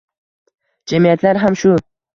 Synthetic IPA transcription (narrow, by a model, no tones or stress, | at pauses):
d͡ʒamijat̪laɾɦamʃʊ